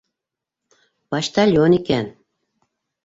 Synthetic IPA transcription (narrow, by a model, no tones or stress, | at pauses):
pɑʃt̪ɑlʲjonikæn